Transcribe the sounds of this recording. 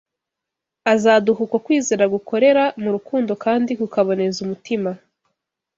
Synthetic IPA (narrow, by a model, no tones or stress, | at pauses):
azaːduɦukwakwiːzeːɾaɡukʰo̞ɾe̞ɾamuɾukuːndo̞kaːndikukaβo̞ne̞zumutima